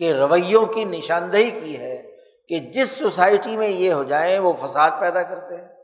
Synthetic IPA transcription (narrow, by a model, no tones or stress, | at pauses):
keɾɐʋəjːõkinɪʃaːnd̪əɦikiɦɛ | ked͡ʒɪsːosaːɪʈimẽjeɦod͡ʒaːẽʋofɐsaːd̪̚pɛːd̪akɐɾt̪eɦɛ̃ː